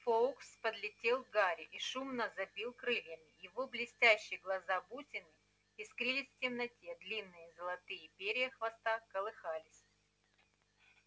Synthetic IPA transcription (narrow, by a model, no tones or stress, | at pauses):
folˠkspəd̪lʲɪtʲelˠɡaɾʲɪʔiʂumnəzɐbʲilˠkɾɨlʲjəmʲɪjɪvo̞blʲɪsʲtʲæɕːɪjəɡlˠɐzabutʲɪnɨ | iskɾʲilʲɪsʲftʲɪmnɐtʲed̪lʲinːɨjəzəlˠɐt̪ɨjɪpʲeɾʲɪjəxvɐst̪akəlˠɨxalʲɪsʲ